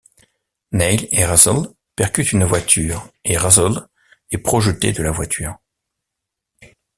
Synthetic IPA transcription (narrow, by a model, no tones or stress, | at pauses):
nɛjleʁazɔl | pɛʁkʲyt̪ynvwat̪ʰyːʁeʁazɔl | ɛpχɔʒət̪ḛd̪əlavwat̪ʰyːʁ